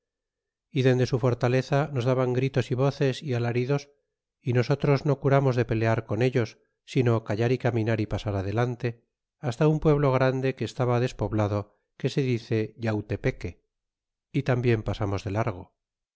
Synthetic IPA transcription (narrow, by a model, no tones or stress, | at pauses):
iðe̞nd̪e̞sufo̞ɾt̪ale̞θano̞zðaβaŋɡɾit̪o̞siβ̞o̞θe̞sialaɾiðo̞s | ino̞so̞t̪ɾo̞zno̞kuɾamo̞zðe̞pe̞le̞aɾko̞ne̞ʎo̞sː | ino̞kaʝaɾikamĩnaɾipasaɾaðe̞lant̪e̞ | ast̪aumpwe̞βlo̞ɣ̞ɾand̪e̞ke̞ːst̪aβaðe̞spo̞βlaðo̞ | ke̞se̞ðiθe̞ʝawt̪e̞pe̞ke̞ | it̪ambje̞mpasamo̞zðe̞laɾɣ̞o̞